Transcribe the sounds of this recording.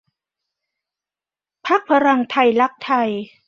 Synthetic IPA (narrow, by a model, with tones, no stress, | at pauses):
pʰa˦˥k̚pʰa˧ɾa˧ŋt̪ʰa˧jla˦˥k̚t̪ʰa˧j